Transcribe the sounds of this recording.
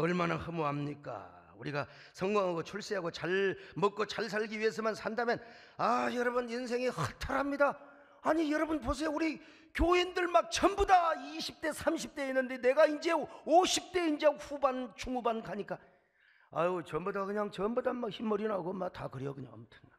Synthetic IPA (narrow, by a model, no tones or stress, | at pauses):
ʌɭmanahɯmoɦamɲik͈a̰ | uɾiɡa | sʰʌŋɡwaŋɦaɡot͡ɕʰuɭs͈iɦaɡot͡ɕaɭmʌk͈ot͡ɕaɭs̬ʰaɭɡiɥies̬ʰɯmansʰandamjʌn | ajʌɾʌbɯnins̬ʰe̞ŋihɯtʰaɾamɲida | aɲijʌɾʌbɯnpos̬ʰe̞ouɾi | kjoindɯɭmak̚t͡ɕʌmbudaiɕʰip̚t͈e̞sʰamɕʰip̚t͈e̞inːɯnde̞ne̞ɡaind͡ʑe̞oɕʰip̚t͈e̞ind͡ʑeɸubant͡ɕʰuŋubankaɲik͈a | a̰t͡ɕʌmbudakɯɲaŋt͡ɕʌmbudamakçimːʌɾinaɡomatakɯɾiʌkɯɲa̰ŋʌ̰mtʰɯna